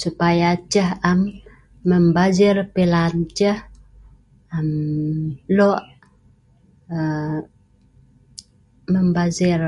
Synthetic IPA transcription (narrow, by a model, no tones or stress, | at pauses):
supajat͡ʃəɦamː | əmbazɪrpilant͡ʃəh | am | loʔ | ə | məmbazɪr